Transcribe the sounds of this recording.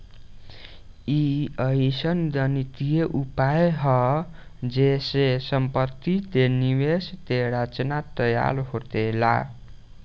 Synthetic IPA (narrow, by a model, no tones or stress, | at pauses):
iʌisʌnd̪ʌnit̪ijeʔupajɦʌ | d͡zesesʌmpʌt̪ːid̪eniwest̪eɾat͡snat̪ʌja̰lɦot̪ela̰